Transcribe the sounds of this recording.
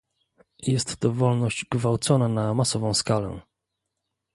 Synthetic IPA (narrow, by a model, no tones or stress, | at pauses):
jɛst̪ːɔvɔlnɔɕd͡ʑɡvawt̪sɔnanamasɔvɔ̃w̃skalɛ̰